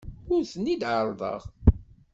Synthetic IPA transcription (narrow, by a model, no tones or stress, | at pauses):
ʊɾθənːid̪ʕəɾˤðˤə̰ʁ